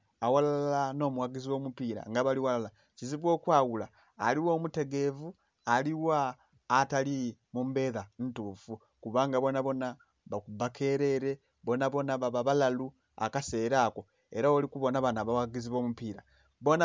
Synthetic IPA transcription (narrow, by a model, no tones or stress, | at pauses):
awalaallano̞ːmuwaɡiziwo̞ːmupiːɾa̰ŋɡaβaliwalala | ciziβwo̞ːkwaːwulaː | liwo̞ːmute̞ɡe̞vu | aliwaː | talimumbe̞ːðan̩tufu | kuβaŋɡaβo̞naβo̞na | βakubakʰe̞ːɾe̞ɾe̞ | βo̞naβo̞naβaβaβalalu | a̰kase̞ːɾaːko̞ | e̞ɾaolikuβo̞naβanaβawaɡiziβo̞ːmupiːɾa | βo̞na